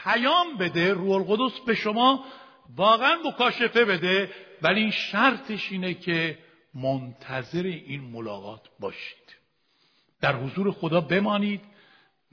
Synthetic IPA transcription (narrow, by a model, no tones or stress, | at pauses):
pʰæjɒːmbe̞d̪e̞ɾuːholɣo̞d̪o̞sbe̞ʃomɒː | vɒːɣeænmo̞kʰɒːʃe̞fe̞be̞d̪e̞væliʃæɾt̪ʰe̞ʃiːnecʰe̞ | mont̪ʰæze̞ɾeʔiːnmolɒ̰ːɣɒːt̪ʰbɒːʃi̥ːd̪̥ | d̪̥æɾhozuːɾe̞xod̪ɒːbe̞mɒːniːd̪